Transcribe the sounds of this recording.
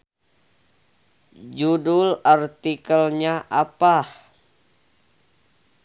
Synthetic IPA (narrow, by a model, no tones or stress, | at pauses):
d͡ʒudʊlart̪ikəlɲaʔapah